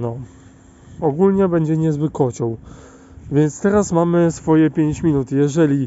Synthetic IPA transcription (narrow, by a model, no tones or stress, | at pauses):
nɔ | ɔɡulɲɛbɛɲd͡ʑɛɲɛzbɘkːɔt͡ɕɔ̃w | vʲjɛnt̪st̪ɛɾasmamɘsfɔjɛpʲjeɲt͡ɕmʲinut̪jɛʐɛlʲi